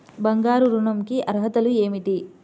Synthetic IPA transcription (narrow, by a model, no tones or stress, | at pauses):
bɐŋɡaːɾuɾuɳɐmkiʔɐɾɦɐt̪ɐlueːmiʈ̪i